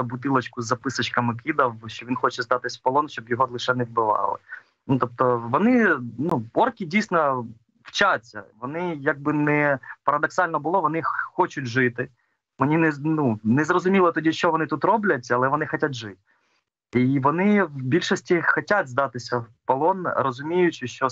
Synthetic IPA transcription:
ɐbʊt̪ɪlˠɐt͡ʃkʊzːɐpɪsɐt͡ʃkɐmɪkʲid̪ɐwʃt͡ʃɔʋʲinxɔt͡ʃɛzd̪ɑt̪ɪsʲpɐlˠɔnʃt͡ʃɔbjɔɦɔlˠɪʃɛnɛwbɪʋɑ̰lˠɪ̰ | nut̪ɔp̚t̪ɔʋɔnɪnuɔrkʲidʲijsʲnɐ | w̥t͡ʃat͡sʲːɐ̰ʋɔnɪjɐk̚bɪnɛpɐɾɐd̪ɔksɑlʲnɔbʊlˠɔʋɔnɪxɔt͡ʃʊtʲʒɪt̪ɪ | menʲinɛnunɛzrɔzʊmʲilˠɐt̪ɔdʲiʃt͡ʃɔʋɔnɪt̪ut̪rɔblʲɐtʲɐlˠɛʋɔnɪxɐtʲat̪ʲʒɪtʲ | iʋɔnɪwbʲilʲʃɔsʲtʲixɔtʲatʲzd̪ɑt̪ɪsʲɐpɐlˠɔnɾɔzʊmʲijʊt͡ʃɪʃt͡ʃɔ

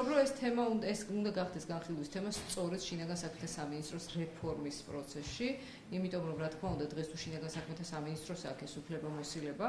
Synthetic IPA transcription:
ɔbɾɔɛst̪ʰɛmauɛsund̪aɡaχd̪ɛsɡanχilˠuist̪ʰɛmast̪sʼɔɾɛt̪ʃinaɡansakʰmɛt̪ʰasaminist̪ʼɾɔsɾɛpʰɔɾmispʼɾɔt̪sʰɛsʃi | imit̪ʼɔmɾɔmɾat̪kʰmaund̪ad̪ʁɛst̪ʰuʃinaɡansakʰmɛt̪ʰasaminist̪ʼɾɔsaːkʰɛsupʰlɛbamɔsilɛba

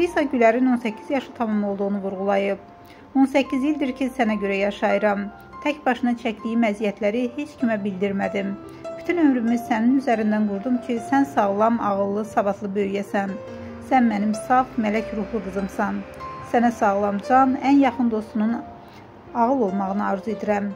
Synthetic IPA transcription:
ɾisɑɟylæɾino̞nsæcʰːizjɑʃɯt̪ʰɑmɑmlˠo̞lˠd̪uʁunuvuɾʁulˠɑjɯb̚ | o̞nsæcʰːizjilʲd̪iɾcʰisænæɟø̞ɾæjɑʃɑjɯɾɑm | t̪ʰæcbɑʃɯnɑt͡ʃʰæcd̪ijimæzijæt̪ʰlæɾihe̞t͡ʃcʰimæbild̪iɾmæd̪im | b̥yt̪ʰynø̞mɾymiz̥sæninyzæɾind̪ænɡuɾd̪umcʰisænsɑʁlˠɑmɑɣɯlˠːɯsɑbɑt̪ʰlˠɯbø̞jyjæsæn | sænmænimsɑfmælæcɾuxlˠɯɡ̪ɯzɯmsɑnsænæsɑɣlˠɑmd͡ʒɑnænjɑχɯnd̪o̞st̪unun | ɑʁɯlˠo̞lˠmɑʁɯnɯɑɾzue̞d̪iɾæm

